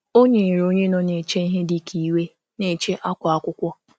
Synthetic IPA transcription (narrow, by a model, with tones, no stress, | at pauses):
o˦ɲe˨ɾo˦ɲe˦nɔ˨ne˨t͡ʃe˦i˦ɦe˦dɪ˨kʰi˨we˦ | ne˨t͡ʃe˦ʔa˦kʷa˨a˦kʷʊ˦kʷɔ˦